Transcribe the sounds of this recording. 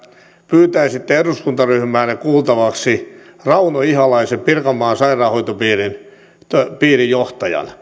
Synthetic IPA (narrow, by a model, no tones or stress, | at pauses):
pyːt̪æisit̪ːeeruskunt̪ɑryhmæːnekuːlt̪ɑʋɑksirɑunoihɑlɑiseppirkɑmɑːnsɑirɑːhoit̪opiːrin | t̪opiːrijoht̪ɑjɑ̰n